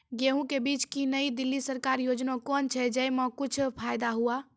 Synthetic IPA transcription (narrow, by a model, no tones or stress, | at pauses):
ɡeɦũkebit͡ʃkinəjd̪ilːisəɾkaɾjod͡ʒnokɔnt͡ʃʰɛd͡ʒəjmə̃kut͡ʃʰpʰajd̪aɦua